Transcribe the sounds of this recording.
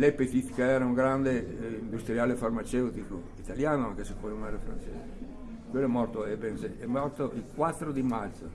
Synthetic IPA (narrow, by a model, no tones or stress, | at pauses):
lɛpet̪it̪keɛɾauŋɡɾand̪eind̪ust̪ɾiaːlefarmat͡ʃɛwt̪iko | it̪aljaːnoaŋkesekːolomɛɾafɾa̰nt͡ʃḛːze | kwelːoɛmːɔrt̪oɛbɛnsɛɛmːɔrt̪oʔilkwat̪ːɾod̪imat̪t̪so̰